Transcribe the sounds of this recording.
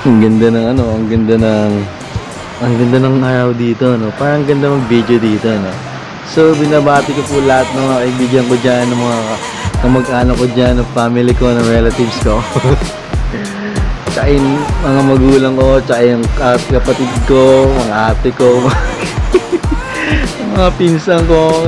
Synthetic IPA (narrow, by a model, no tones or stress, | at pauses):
ʔɐŋɡɐnd̪anɐŋɐno̞ʔɐŋɡɐnd̪anɐŋ | ʔɐŋɡɐnd̪anɐŋʔaːɾɐwd̪iːt̪o̞no̞paːɾɐɐŋɡɐnd̪amɐɡ̚bid̪od̪iːt̪o̞no̞ | so̞bɪnabaːt̪ɪko̞pulɐhat̪̚nɐmɐŋakɐʔibiɡɐŋko̞d͡ʒanːɐŋmɐŋaɐ | kɐmɐɡʔaːnɐkod͡ʒanːɐŋfaːmɪlɪko̞nɐŋɹɛlɐt̪ɪvsko | t͡ʃɐkajŋmɐŋamɐɡuːlɐŋko̞t͡ʃɐkajʊŋkɐkɐpɐt̪ɪd̪̚ko̞mɐŋaʔaːt̪ɛko̞m | mɐŋapinsɐŋko̞